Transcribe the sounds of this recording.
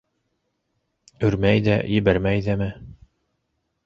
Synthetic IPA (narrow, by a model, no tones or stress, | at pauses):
ɵ̆ɾmæjðæ̰jɘ̆βæɾmæjðæmɘ